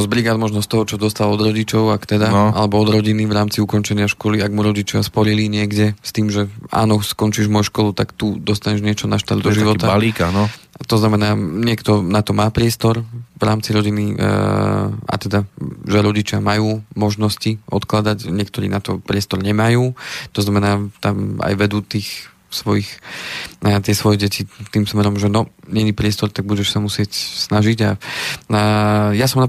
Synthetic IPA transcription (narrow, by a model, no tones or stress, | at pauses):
zbɾiɡaːd̪mɔʒnɔst̪ɔɦɔt͡ʃɔd̪ɔst̪alɔd̪ɾɔɟit͡ʃɔʊakt̪ɛd̪aalɛbɔɔd̪ɾɔɟinivɾaːmt͡siukɔnt͡ʃɛɲɪaʃkɔliaɡmuɾɔɟit͡ʃɪaspɔɾiliɲɪɛɡɟɛst̪iːmʒɛa̰ːnɔskɔnt͡ʃiʒmɔjuʃkɔlut̪akt̪ud̪ɔst̪aɲɛʒɲɪɛt͡ʃɔnaʃt̪aɾd̪d̪ɔʒiʋɔaaliːkanɔ | at̪ɔznamɛnaːɲɪɛkt̪ɔnat̪ɔmaːpɾɪɛst̪ɔɾvɾaːmt͡siɾɔɟini | a̰t̪ɛd̪aʒɛɾɔɟit͡ʃɪamajuːmɔʒnɔsciʔɔ̰t̪klad̪aɟɲɪɛkt̪ɔɾḭːnat̪ɔpɾɪɛst̪ɔɾɲɛmajuːt̪ɔznamɛnaːt̪ama̰jʋɛd̪uːt̪iːx | sʋɔjix | t̪ɪɛsʋɔjɛɟɛcit̪imsmɛɾɔmʒɛnɔɲɛɲipɾɪɛst̪ɔɾt̪aɡ̚buɟɛʃsamusɪɛcsnaʒiɟaajasɔmna